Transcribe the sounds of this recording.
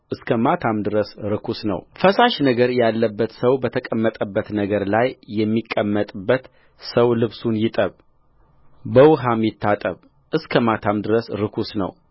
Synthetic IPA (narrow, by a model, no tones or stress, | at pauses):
ʔɨskʰəmat̪ʰamd̪ɨɾəsɾɨkʰusnə̰wfəsaʃnəɡəɾjalːəbːət̪səwbət̪ʰəkʼəmːət̪ʼəbːət̪nəɡəɾlajːɛmːikʼːəmːət̪ʼbːət̪ | səwlɨβsunjɪt̪ʼəβ | bəwʊɦamjɪt̪ʰːat̪ʼəβ | ʔɨskʰəmat̪ʰamd̪ɨɾəsɾɨkʰusnə̰w